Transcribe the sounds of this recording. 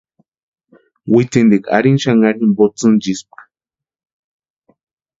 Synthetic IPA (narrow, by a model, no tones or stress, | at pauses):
wit̪ind̪ika̰ɾinʃaŋaɾimbot͡sɨnd͡ʒisp̚ḁ